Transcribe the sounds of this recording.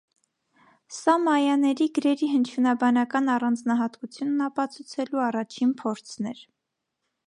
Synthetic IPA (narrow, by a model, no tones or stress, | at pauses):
sɑmɑjɑnɛɾiɡəɾɛɾiɦənt͡ʃʰjunɑbɑnɑkɑnɑrɑnd͡znɑɦɑt̪kut͡sʰjunːɑpɑt͡sʰut͡sʰɛluɑrɑt͡ʃʰinpʰɔɾt͡sʰn̪ɛɾ